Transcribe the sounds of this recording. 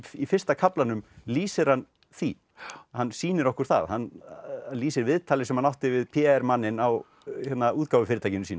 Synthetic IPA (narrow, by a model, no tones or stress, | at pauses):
ifɪ̥st̪akʰaplanʏmliːsɪɾ̥han | θi | hanːsiːnɪɾɔhkʏɾ̥θa̰ðhanaliːsɪɾvɪðt̪ʰaːlɪsɛmanːawht̪ɪvɪðpʰɛɛɾmanːɪnaw | çɛt̪nauːt̪kawvʏfɪɾɪt̪ʰajcɪnʏmsiːn